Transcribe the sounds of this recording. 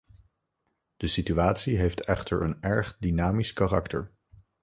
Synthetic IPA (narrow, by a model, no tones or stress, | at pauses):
d̥əsityaːtsiɦejftʰɛχtə̰ɹənɛɹχdinaːmiskarɑ̰ktə̰ɹ